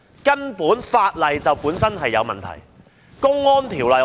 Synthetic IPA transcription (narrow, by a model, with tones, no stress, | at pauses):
kɐ˥npuː˨˥nfaː˧t̚lɐ˨jt͡sɐ˨wpuː˨˥nsɐ˥nɦɐ˨jːɐ˨˧wmɐ̰˨nt̪ʰɐ̰˨˩j | kʊ˥ŋːɔː˥nt̪ʰiː˨˩wlɐ˨˩j